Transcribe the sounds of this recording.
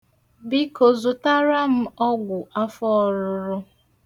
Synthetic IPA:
bi˦ko˨zʊ˨ta˦ɾa˦m̩˦ɔ˦ɡʷʊ˨ʔa˦fɔ˦ɔ˨ɾʊ˨ɾʊ˦

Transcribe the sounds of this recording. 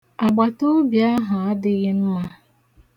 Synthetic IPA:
a˨ɡ͡ba˨to˦bja˦ɦa˨a˦dɪ˦ɣɪ˦n̩˦ma˦

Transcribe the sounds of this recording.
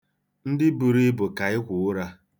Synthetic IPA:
n̩˦dɪ˦bu˨ɾi˦bʊ˨ka˨ɪ˦kʷʊ˨ʊ˦ɾa˦

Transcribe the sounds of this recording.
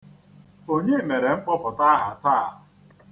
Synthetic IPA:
o˦ɲe˦me˨ɾe˨ŋ͡m̩˦k͡pɔ˦pɔ˨ta˦a˦ɦa˨ta˦˨

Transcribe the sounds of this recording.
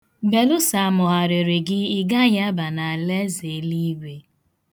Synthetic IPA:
be˨lʊ˦sa˨a˨mʊ˨ɦa˨ɾe˨ɾe˨ɡɪ˦ɪ˦ɡa˦ɲa˦ba˨na˨a˨le˦ze˨˦li˦ɡʷe˨

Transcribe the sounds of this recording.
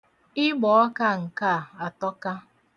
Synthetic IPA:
ɪ˦ɡ͡bɔ˨ɔ˦ka˦˨ŋ̩˨ka˦˨a˨tɔ˦ka˦

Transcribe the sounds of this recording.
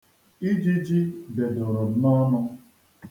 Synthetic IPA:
i˦d͡ʒi˦d͡ʒi˦de˨dɔ˨ɾɔ˨nɔ˦nʊ˦

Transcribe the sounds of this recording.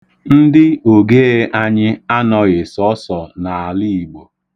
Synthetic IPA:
n̩˦dɪ˦o˨ɡe˦e˦ʔa˦ɲɪ˦a˦nɔ˨ɣɪ˨sɔ˦sɔ˨na˨a˨li˦i˨ɡ͡bo˨

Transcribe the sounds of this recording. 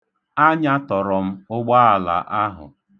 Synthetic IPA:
a˦ɲa˦tɔ˨ɾɔ˨m̩˦ʊ˦ɡ͡ba˦a˨la̰˨ʔa˦ɦʊ̰˨

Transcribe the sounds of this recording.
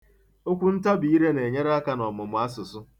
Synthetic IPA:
o˦kʷu˦n̩˦ta˦bi˨˦i˦ɾe˦ne˨ɲe˦ɾa˦ka˦nɔ˨mʊ˨mʊ˨˦a˦sʊ˨sʊ˦

